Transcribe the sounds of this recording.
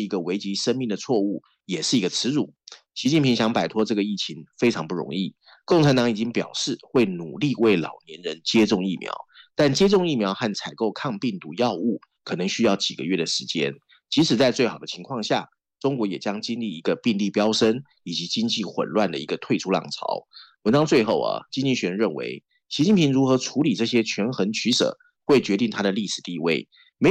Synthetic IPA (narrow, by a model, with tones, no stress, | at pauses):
i˧˥ɡə˧we˧˥ɪt͡ɕi˧˥ʂə˥nmi˥˩ŋd̪ə˩t͡sʰwɔ˥˧u˥˩ | jɛ˨˩ʂɻ̩˥˩i˧˥ɡə˧t͡sʰɻ̩˧˥ɻu˨˩˦ | ɕi˧˥t͡ɕi˥˩npʰi˧˥ŋɕjɑ˧˥ŋpa˨˩ɪt̪ʰwɔ˥ʈ͡ʂɤ˥˩ɡə˩i˥˩t͡ɕʰi˧˥ŋfe˥ɪʈ͡ʂʰɑ˧˥ŋpu˥˩ɻʊ̰˧˥ŋi˥˩ | kʊ˥˩ŋʈ͡ʂʰa˧˥nt̪ɑ˧˥ŋi˨˩i˦˥ŋpjɑ˨˩ʊʂɻ̩˥˩xwe˥˩ɪnu˨˩li˥˧we˥˩ɪlɑ̰˨˩ʊnjɛ˧˦nɻə˧˥nt͡ɕjɛ˥ʈ͡ʂʊ˥˧ŋi˥˩mjɑ̰˧˥ʊt̪a˥˩nt͡ɕjɛ˥ʈ͡ʂʊ˥˧ŋi˥˩mjɑ˧˥ʊxa˥˩nt͡sʰa˨˩ɪko˥˧ʊkʰɑ˥˧ŋpi˥˩ŋt̪u˧˥jɑ˥˧ʊu˥˩ | kʰɤ˨˩nɤ˧˥ŋɕy˥jɑ˥˩ʊt͡ɕi˨˩ɡə̰˦ɥɛ˥˩d̪ə˩ʂɻ̩˧˥t͡ɕjɛ̰˥n | t͡ɕi˧˥ʂɻ̩˨˩t͡sa˥˧ɪt͡swe˥˩ɪxɑ˨˩d̪ə˦t͡ɕʰi˧˥ŋkʰwɑ˥˧ŋɕja̰˥˩ | ʈ͡ʂʊ˥ŋkwɔ˧˥jɛ˨˩t͡ɕjɑ˥ŋt͡ɕi˥nli˥˩i˧˥ɡə˧pi˥˧ŋli˥˩pjɑ˥ʊʂə˥n | i˨˩t͡ɕi˧˥t͡ɕi˥ŋt͡ɕi˥˩xwə̰˨˩nlwa˥˩nd̪ə̰˩i˧˥ɡə˧t̪ʰwe˥˧ɪʈ͡ʂʰu˥lɑ̰˨˩ŋt͡sʰɑ̰˧˥ʊwə˧˥nʈ͡ʂɑ˥ŋt͡swe˥˧ɪxo˥˩ʊɐ̰˩t͡ɕi˥nt͡ɕi˥˩ɕɥɛ˧˥nɻə˥˩nwḛ˧˥ɪ | ɕi˧˥t͡ɕi˥˩pʰi˧˥ŋɻu˧˥xɤ˧˥ʈ͡ʂʰu˧˥li˨˩ʈ͡ʂɤ˥˩ɕ̬jɛ˥t͡ɕʰɥɛ˧˥nxə˧˥nt͡ɕʰy˧˥ʂɤ̰˨˩˦ | xwe˥˩ɪt͡ɕɥɛ˧˥t̪i˥˩ŋt̪ʰa˥d̪ə˨li˥˩ʂɻ̩˨˩t̪i˥˧we˥˩ɪ | me˧˥